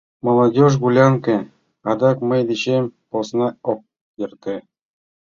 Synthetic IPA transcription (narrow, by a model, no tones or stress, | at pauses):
molˠɑdʲoʒɡulʲɑŋkʲɘ̆ | ɑd̪ɑkmɤ̆jd̪ĕɕemʲposnɑok̚ | jɤ̆rt̪ɘ̆